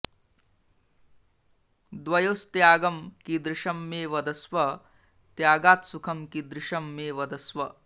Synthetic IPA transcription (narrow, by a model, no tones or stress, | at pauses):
d̪ʋɐjoːst̪jaːɡɐmkid̪ɾɪʃɐmːeːʋɐd̪ɐsʋɐ | t̪jaːɡaːt̪sukʰɐmkid̪ɾɪʃɐmːeːʋɐd̪ɐsʋɐ